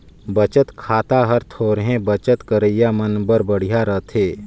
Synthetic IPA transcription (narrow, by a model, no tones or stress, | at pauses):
bət͡ʃət̪kʰaːt̪aɦəɾt̪ʰoːɾɦẽbət͡ʃət̪kəɾəɪjamənbəɾbəɽ̤ijaɾət̪ʰeː